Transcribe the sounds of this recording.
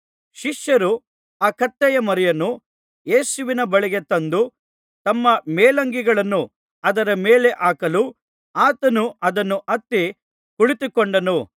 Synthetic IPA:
ʃiʂjɐɾu | aːkɐt̪ːɛjɐmɐɾɐjɐnːu | je̞ːsuʋinɐbɐɭiɡe̞t̪ɐnd̪u | t̪ɐmːɐmeːlɐŋɡiɡɐɭɐnːu | ɐd̪ɐɾɐmeːle̞ʔaːkɐlu | aːt̪ɐnuɐd̪ɐnːuʔɐt̪ːi | kuɭit̪ukɔɳɖɐnu

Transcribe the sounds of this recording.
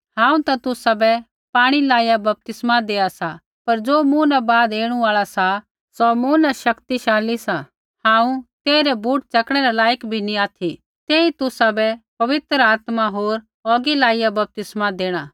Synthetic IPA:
hãːũt̪at̪ʊsabɛ | paːɽ̃ilaːijabɐp̚t̪ɪsmad̪eːasa | pɐɾd͡ʒoːmũnabaːd̪eːɽ̃ũaːɭasa | sɔmuːnaʃɐkt̪iʃaːlisa | hãːũt̪eːɾɛbʱuːʈ̚t͡ʃɐkɽ̃ɛɾɛlaːjəkbʱiniaːt̪ʰi | t̪eːit̪ʊsabɛpɐʋɪt̪ɾəaːt̪maɦoːɾ | ɔːɡilaːijabɐp̚t̪ɪsmad̪eːɽ̃a

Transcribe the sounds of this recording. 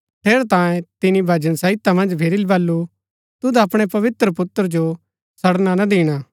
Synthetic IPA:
ʈ̪ʰeːɾt̪ãːẽt̪ɪnibʱɐd͡ʒənsɐɪt̪amɐ̃nd͡ʒbʰʱeɾɪlbɐlːu | t̪ʊd̪aɐpɽ̃epɐʋɪt̪ɾəpʊt̪əɾd͡ʒo | sɐɽnanɐd̪iːɽ̃aː

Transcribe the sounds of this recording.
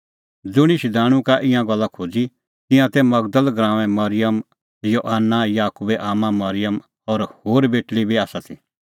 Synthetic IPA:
d͡zʊɽ̃iʃid̪aːɽ̃ũkaʔɪ̃jãɡɐlːakʰoːd͡zi | t̪ɪ̃jãt̪ɛmɐɡd̪əlɡɾãːʋɛ̃mɐɾɪjəm | joːʔanːajaːkubɛʔaːmãmɐɾɪjəm | ɔɾhoːɾbeːʈlibʱiaːsat̪ʰi

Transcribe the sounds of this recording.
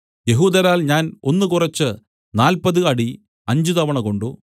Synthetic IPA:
je̞ɦuːd̪ɐɾaːlɲaːno̞nːɨkurɐt͡ɕːɨ | naːlpɐðɨɐɽi | ɐɲd͡ʑut̪ɐʋɐɳɐko̞ɳɖu

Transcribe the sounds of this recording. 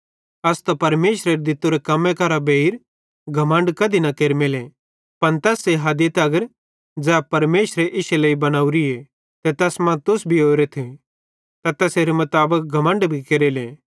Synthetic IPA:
ɐst̪ɐpɐɾmeːʃɾeɾed̪ɪt̪uɾekɐmẽkɐɾabeiɾ | ɡʱɐmə̃ɳɖkɐd̪inɐkeːɾmele | pɐnt̪ɛːsːeɦɐd̪it̪ɐɡəɾ | d͡ʒɛːpɐɾmeːʃɾeʔɪʃelɐːibɐnaːuɾie | t̪ɛt̪ɛːsmɐ̃t̪ʊsbʱioːɾet̪ʰe | t̪ɐt̪ɛseːɾemɐt̪aːbək̚ɡʱɐmə̃ɳɖbʱikeːɾeːle

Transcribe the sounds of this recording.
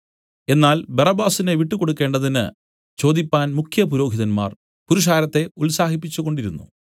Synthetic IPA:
e̞nːaːlberɐbaːsineʋiʈːuko̞ɽukːe̞ːɳɖɐðinɨ̰ | t͡ɕo̞ːd̪ipːaːnmukʰjɐp̬uɾo̞ːɦiðɐnma̰ːr | puɾuʂ̬aːɾɐt̪ːe̞ulsaːhipːit͡ɕːuɣo̞ɳɖiɾunːṵ

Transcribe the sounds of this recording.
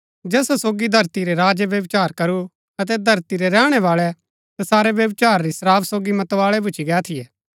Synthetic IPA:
d͡ʒɛːsasoːɡid̪ʱɐɾt̪iɾeɾaːd͡ʒəʋjɐʋt͡ʃaːɾkɐɾu | ɐt̪̬ɛd̪ʱɐɾt̪iɾɛɾɛːɽ̃ɛʋaːɭɛ | t̪asaːɾɛʋjɐʋt͡ʃaːɾɾisɾaːbsoːɡimɐt̪ʋaːɭɛbʱʊt͡ʃʰiɡɛːt̪ʰɪjɛː

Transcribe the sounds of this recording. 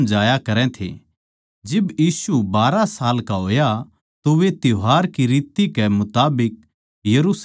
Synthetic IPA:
md͡ʒaːjakɐɾɛ̃t̪ʰḛ | d͡ʒɪbjiːsubaːɾasaːlkaɦoːja | t̪oʋet̪joɦaːɾkiɾiːt̪ikɛmʊt̪aːbɪk̚ | jɐɾus

